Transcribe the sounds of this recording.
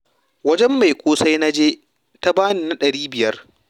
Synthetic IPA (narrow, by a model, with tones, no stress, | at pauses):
wɐ˦d͡ʒɛ˦mːa˨jkʷoː˦sa˦jna˦d͡ʒeː˦ | ta˦baː˦niː˦˨na˦ɗɐ˨ɽiː˦bɪ˨jɐ˦r